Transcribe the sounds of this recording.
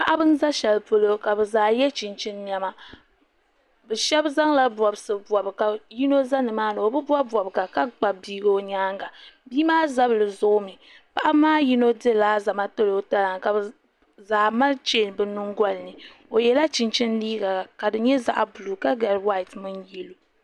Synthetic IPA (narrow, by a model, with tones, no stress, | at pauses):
pa˦ʔa˦bɨ˦n˦za˦ʃɛ˨lpo˨lo˦ka˨bɛ˨zaː˨jɛ˦t͡ʃi˨nt͡ʃi˦nː˦a˦ma˦ | bɛ˨ʃɛ˦bza˦ŋla˦bɔ˨bɨ˨sɨ˨bwɔ˨bɨ˨ka˨ji˦no˦za˦nɨ˨maː˦nɨ˨o˨bɨ˦bwa˦bwɔ˨bɨ˨ɡa˨ka˦ɡ͡ba˨biː˦ɡo˦o˨ɲaː˦ŋɡa˨biː˦maː˦za˦bɨ˨lɨ˨zo˦mi˨ | pa˨ʔa˦maː˦ji˦no˦dɨ˦˨laː˦za˨ma˦to˦lo˨˦ta˦la˨ŋka˨bɨ˨ | zaː˨ma˦lt͡ʃeː˦˨n˨bɨ˨nu˦ŋɡa˦lnɨ˨ | o˨jɛ˨la˦t͡ʃi˨nt͡ʃɪ˦nliː˦ɡa˨a˨ka˨dɨ˨ɲɛ˦za̰˦ʔa˨bu˨lu˨ka˦ɡa˨ɾwa˦i˨tmɨ˦njɛ˦lo˨